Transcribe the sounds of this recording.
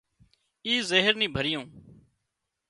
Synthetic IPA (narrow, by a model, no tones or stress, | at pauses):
iːzeːɦəɾnĩːbʱəɾɪjõː